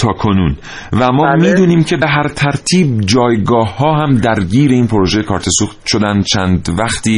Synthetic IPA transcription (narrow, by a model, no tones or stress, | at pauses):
t̪ʰɒːkʰo̞nun | væmɒːmiːd̪uːniːmcʰe̞be̞ɦæɾt̪ʰæɾt̪ʰiːb̚d͡ʒɒːjɡɒːhːɒːɦæmd̪æɾɟiːɾeiːnpʰoɾoʒejekʰɒːɾt̪ʰe̞suxt̪̚ʃod̪ænd̪t͡ʃʰænd̪væxt̪iː